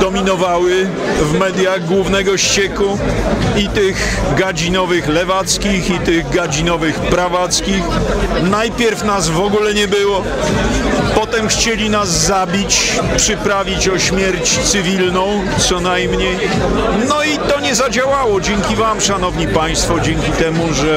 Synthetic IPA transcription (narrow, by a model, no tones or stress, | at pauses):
d̪̥ɔmʲinɔvawɘ | vmɛd̪jaɣɡwuvnɛɡɔɕt͡ɕɛkuit̪ɪɣɡad͡ʑinɔvɘxlɛvat̪skʲixit̪ɪɣɡad͡ʑinɔvɘxpɾavat̪skʲixnajpʲjɛɾfnazvɔɡulɛɲɛbɘwɔ | pɔt̪ɛmxt͡ɕelʲinazːabʲit͡ɕpʂɘpɾavʲit͡ɕɔɕmʲjɛɾt͡ɕt̪sɘvʲilnɔ̃w̃ | psɔnajmɲej | nɔit̪ɔɲɛzad͡ʑawawɔd͡ʑɛŋkʲivamʂanɔvɲipaj̃st̪fɔd͡ʑɛŋkʲit̪ɛmuʐɛ